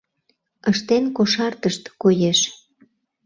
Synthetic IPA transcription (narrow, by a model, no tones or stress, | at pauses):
əʃt̪enkoʃɑrt̪əʃt̪kojeʃ